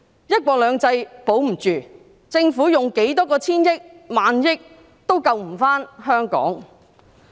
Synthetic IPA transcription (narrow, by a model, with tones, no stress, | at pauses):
jɐ˥t̚kwɔː˧k̚lœː˨˧ŋt͡sɐ˧jpo˨˥wm̩˨˩t͡ʃyː˨ | t͡sɪ˧ŋfuː˨˥jʊ˨ŋke˨˥jt̪̬ɔː˥kɔː˧t͡sʰiː˥njɪ˥k̚maː˨˧njɪ˥k̚ | t̪o˥wkɐ˧wm̩˨˩faː˥nhœː˥ŋkɔ̰ː˨˥ŋ